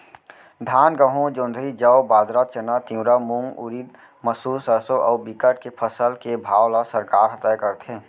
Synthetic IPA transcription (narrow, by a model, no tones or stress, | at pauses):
d̪ʱaːnɡəɦõd͡ʒõːnd̪ʱɾid͡ʒɐwbaːd̪ɾat̪̚t͡ʃənat̪ĩwɾamũŋɡʊ̰ɾiːd̪̚ | məsuːsəsoʔɔːbikəʈ̚kepʰəsəlkebʱaːwlasəɾkaːɾɦət̪əjkəɾt̪ẽː